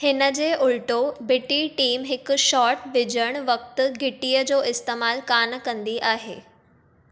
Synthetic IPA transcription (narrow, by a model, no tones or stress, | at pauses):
hɪnəd͡ʑeːʔʊɭʈobɪʈiʈiːmɦɪkʃɔːɾʈʋɪd͡ʑəɽ̃ʋək̚t̪ɡʱɪʈijəd͡ʑoːʔɪst̪eːmaːlkaːnkə̃nd̪iʔaːɦḛː